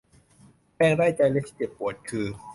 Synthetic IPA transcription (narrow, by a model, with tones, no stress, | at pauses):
pɛː˥˩ŋɾaː˥˩jt͡ɕa˧jnlaː˧˥sʰi̥ː˥˩t͡ɕe˨˩p̚pːu˨˩˦ət̪̚kʰɯː˧